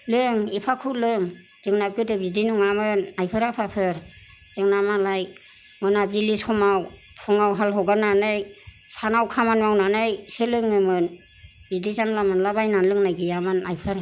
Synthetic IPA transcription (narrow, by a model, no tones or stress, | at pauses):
lɯŋipʰakʰulɯŋ | z̥ɯŋnap̚ɡɯdɯbidinuŋamɯnajpʰɯɾapʰapʰɯɾ | z̥ɯŋnamalaj | mɯnabilisɔmaw | pʰɔŋawɦalɦɔɡananɯj | sanawkʰamanmawnanɯjselɯŋɯmɯn | bidizamlamɯnlabajnanlɯŋnajɡijamɯnajpʰɯɾ